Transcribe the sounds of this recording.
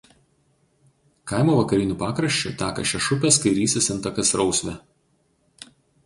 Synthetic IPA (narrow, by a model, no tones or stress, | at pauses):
kɑˑɪmoːʋɐkɐɾʲɪnʲuːˑpɑːkɾɐʃʲt͡ʃʲʊ̰t̪ʲæːkɐ̰ʃʲɛʃʊpʲɛˑskɐɪɾʲiːsʲɪsʲɪnt̪ɐkɐsɾɒʊsʲʋʲɛ